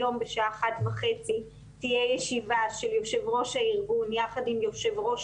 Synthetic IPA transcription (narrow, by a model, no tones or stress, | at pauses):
o̞mbeʃaaaχatvaχet͡si | tijejeʃivaʃeljoʃe̞vʁo̞ʃaiʁɡunjaχadimjoʃevʁo̞ʃ